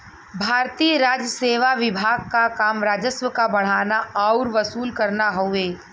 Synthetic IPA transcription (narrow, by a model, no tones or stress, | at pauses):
bʱaːɾt̪iːəɾaːd͡ʒjəseːʋaʋɪbʱaːɡ̚kakaːmɾaːd͡ʒəsʋəkabɐɽ̤̃aːnaaːʊɾʋɐsuːlkɐɾnaɦoeː